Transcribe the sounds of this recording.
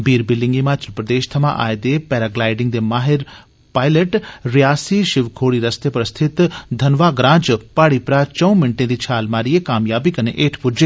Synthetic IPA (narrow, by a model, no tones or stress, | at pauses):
biːɾbɪlːɪ̃ŋɡɪmaːt͡ʃəɾpɾəd̪eːʃt̪ʰɐmã̰ʔa̰ːed̪eːpɛːɾaɡlaːɪɖɪ̃ŋɡd̪eːmaːɦɪɾ | paːɪleʈɾijaːsiʃɪʋkʰoːɽiɾəst̪epɾəst̪ʰɪt̪d̪ʱɐnʋaːɡɾãːd͡ʒpaːɽipɾat͡ʃə̃ũmɪɳʈẽd̪iːt͡ʃʰaːlmaːɾiekaːmjaːbikɐneʔeːʈʰpʊd͡ʒeː